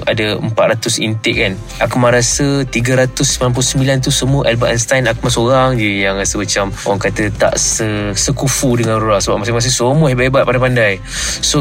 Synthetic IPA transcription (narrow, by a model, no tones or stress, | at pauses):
a̰dəə̰mpat̪ɾʔat̪ʊsḭnt̪ɪʔ̚kan | ʔakmaɾasət̪iɡəɾat̪ʊsə̥palanmp̬ulusəmbilant̪̬usəmuəʔɛlbaʔɛnst̪ajnakəmasoɾaŋd͡ʒəjaŋrasəmat͡ʃamo̰aŋkat̪ət̪a̰ʔsəsəkufudəŋanruɾaʔsəba̰ʔ̚mas̬imas̬isomɔibaebat̪̚padapandaj | so